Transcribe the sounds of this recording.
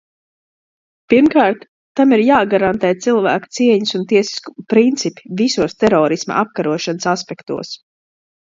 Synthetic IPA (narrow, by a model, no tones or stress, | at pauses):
piɾmkaːɾt̪ː | amiɾjaːɡaɾant̪ɛːt̪silˠvæːku̥t̪siɛɲusunt̪iɛsi̥sku̥pɾint̪sipi̥visuɔst̪ɛɾɔːɾisma̰ap̚kaɾuɔʃanəsaspɛkt̪ṵɔs